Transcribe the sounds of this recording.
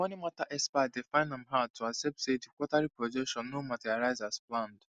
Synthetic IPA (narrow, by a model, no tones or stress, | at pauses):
wɔ̃nĩmataʔɛspadefãɪ̃nãmɦatʰuasɛp̚tsedikʷɔtaɾipɹɔd͡ʒɛkʃɔ̃nːomãtiaɾajzasplãnd